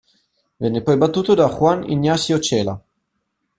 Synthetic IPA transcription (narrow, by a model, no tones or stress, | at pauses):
vɛnːepɔjbat̪ːuːt̪od̪axwanḭnːjasiot͡ʃɛːla̰